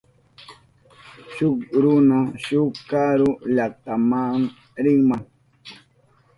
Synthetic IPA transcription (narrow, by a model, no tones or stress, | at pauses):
ʃʊkɾʊnaʃʊkaɾʊʎak̚t̪amaŋ | ɾɪŋmaŋ